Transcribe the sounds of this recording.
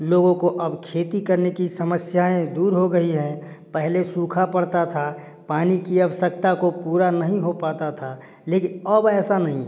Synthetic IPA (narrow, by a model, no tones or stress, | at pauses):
loːɡõkoʔɐbkʰeːt̪ikɐɾnekisɐməsjaːẽd̪uːɾɦoɡɐɦiɦɛ̃ | pɛɦlesũːkʰapəɽt̪at̪ʰa | paːnikiɐʋəʃəkt̪akopuːɾanɐɦĩɦopaːt̪at̪ʰa | leːkɪnɐbɛːsanɐɦĩ